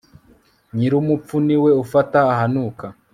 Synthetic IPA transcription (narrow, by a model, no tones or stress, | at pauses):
ɲiɾumup̪p͡funiwe̞ufataːhanuːka